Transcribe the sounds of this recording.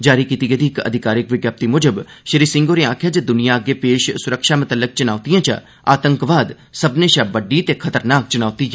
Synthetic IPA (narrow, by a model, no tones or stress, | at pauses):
d͡ʒaːɾikiːt̪iɡed̪iːkə̰d̪ʱɪkaːɾɪkʋɪɡjaːp̚t̪imʊd͡ʒəbʃəɾiːsɪ̃ŋɡoːɾeãːkʰjaːd͡ʒəd̪ʊnijaəɡepeːʃsʊɾəkʃaːmʊt̪əlːək̚t͡ʃʊnaːʊt̪ijãːt͡ʃə̰ | aːt̪ə̃ŋkʋaːd̪ | səbnẽʃabəɖːit̪ekʰət̪əɾnaːk̚t͡ʃʊnaːt̪iː